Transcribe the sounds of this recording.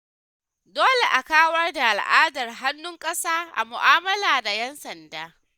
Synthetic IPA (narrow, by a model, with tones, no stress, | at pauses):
doː˦le˨ʔa˨kaː˦wɐ˦rda˨ʔa˨lʔaː˦dɐ˨rɦa˦nːʊ˦ŋkʼɐ˦saː˦ʔa̰˨mʊ˨ʔaː˦mɐ˦laː˨da˨jɛ˦nsɐ˨ndaː˦